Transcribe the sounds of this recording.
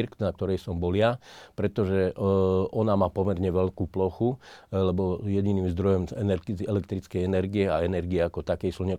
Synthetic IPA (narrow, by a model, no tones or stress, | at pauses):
ɾknak̚t̪ɔɾɛjsɔmbɔlɪapɾɛt̪ɔʒɛ | ɔnamaːpɔmɛɾɲɛʋɛʎkuːplɔxulɛbɔjɛɟiniːmzd̪ɾɔjɔmɛnɛɾɛlɛkt̪ɾit͡skɛjɛnɛɾɡiɛaɛnɛɾɡiɛakɔt̪akɛjsuɲɛ